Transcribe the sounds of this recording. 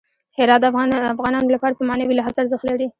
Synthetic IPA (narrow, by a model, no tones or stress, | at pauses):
hɪɾɑt̪d̪afafɣɑnɑnolapɑɾapəmɑnawilaɦazaɾzəxt̪laɾi